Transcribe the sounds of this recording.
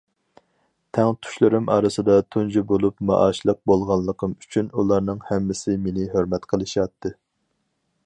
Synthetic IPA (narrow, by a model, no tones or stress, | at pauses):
t̪ʰɛŋt̪ʰu̥ʃlˠɨɾɨmʔɑ̰ːɾɨsɨd̪ɑt̪ʰund͡ʒibolˠupmɑ̰ʔɑːʃlˠəq̚bolˠʁɑnlˠːəqʰəmyt͡ʃʰynulˠɑɾnɨŋhɛmːɪsɪmenɪɦøɾmɛt̪qʰəlˠɨʃɑt̪ʰːɨ